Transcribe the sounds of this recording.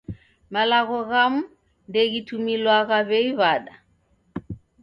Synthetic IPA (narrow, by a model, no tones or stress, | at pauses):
malaɣɔɣamu | ndɛɣitumilwaɣaβɛiβaɗa